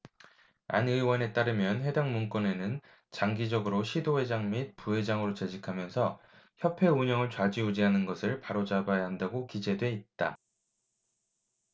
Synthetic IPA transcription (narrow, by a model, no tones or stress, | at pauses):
a̰nɯwʌne̞t͈aɾɯmjʌnɸwe̞daŋmunk͈ʌne̞nɯn | t͡ɕaŋɡid͡ʑʌɡɯɾoɕʰidoɦe̞d͡ʑaŋmit̚puɦe̞d͡ʑaŋɯɾot͡ɕed͡ʑikʰamjʌnsʰʌ | çjʌpʰe̞uɲʌŋɯɭt͡ɕwad͡ʑiud͡ʑiɦanɯnɡʌsʰɯɭpaɾod͡ʑabajaɦandaɡokid͡ʑe̞dwe̞it̚t͈a